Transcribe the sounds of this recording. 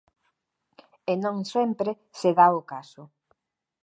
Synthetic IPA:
enõŋsɛmpɾe | seðaokasʊ

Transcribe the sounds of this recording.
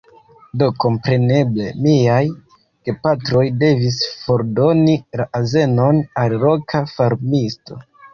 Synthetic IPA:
do̞ko̞mpɾe̞ne̞ble̞̰miaj | ke̞patɾo̞jde̞visfo̞ɾdo̞nilaʔaze̞no̞nalɾo̞kʰafaɾmisto̞̰

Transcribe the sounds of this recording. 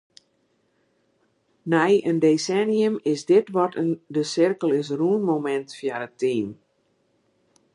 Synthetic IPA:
nɛjəndesɛnjəmɪsdɪtʋɔtəndəsɪrkəlˠɪs̬ruənmomɛntfjaɾətʰiːm

